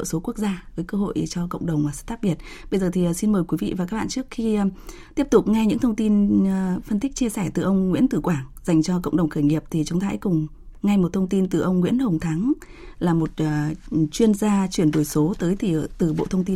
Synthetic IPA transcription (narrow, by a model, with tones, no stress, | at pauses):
so˨˦ku˦˥ək̚zaː˧vəː˨˦jkəː˧ɦo̰˧˨jt͡ɕɔ˧kə̰˧˨ŋ͡mɗə˨˩wŋ͡maː˨˩st̪aː˦˥k̚ɓi˨˩ət̚ | ɓə˧jzəː˨˩t̪ʰi˨˩˨si˧nməː˨˩jkwi˨˦vḭ˧˨vaː˨˩ka˦˥k̚ɓa̰ː˧˨t͡ɕɨ˦˥k̚xi˧ | t̪i˦˥p̚t̪ʊ˨˩k͡p̚ŋa˧jɲɨ̰˧˥ŋt̪ʰə˧wŋ͡mt̪i˧n˨fə˧nt̪i˦˥k̚t͡ɕi˧əsɛ˧˩t̪ɨ̰˨˩ʔə˧wŋ͡mŋwḭ˧˥ənt̪ɨ˧˨˩kwaː˧˩ŋz̥a˨˩jŋ̟t͡ɕɔ˧k̬ə̰˧˨wŋ͡mɗə˨˩wŋ͡mxəː˧˩jŋi˨˩əp̚t̪ʰi˨˩t͡ɕɔ˨˦wŋ͡mt̪ʰa̰ː˧˦jkʊ˨˩ŋ͡m | ŋa˧jmo˨˩t̚t̪ʰə˧wŋ͡mt̪i˧nt̪ɨ˨˩ʔə˧wŋ͡mŋwḭ˧˥ənhə˨˩wŋ͡mt̪ʰa˨˦ŋ | laː˨˩mo˨˩t̚ːt͡ɕwi˧ənzaː˧t͡ɕwi˧˩ənɗo˧˩jso˨˦t̪əː˨˦jt̪ʰi˨˩˨t̪ɨ˨˩ɓo̰˧˨t̪ʰə˧wŋ͡mt̪i˧